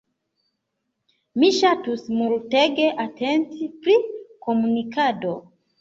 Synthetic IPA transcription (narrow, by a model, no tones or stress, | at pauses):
miʃatusmulteɡeʔatʰe̞ntipɾikomunikado̞